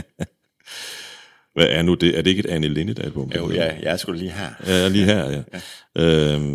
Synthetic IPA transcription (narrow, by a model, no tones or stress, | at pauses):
ʋæʔæɐnud̥e̝ʔæɐd̥e̝e̝ɡ̥ed̥ænəle̝nəd̥æed̥̚b̥ɔ̽mbðjɑɪsɡ̥ulliːɦæɐjæjlḭːɦæɐ̰jæʔøm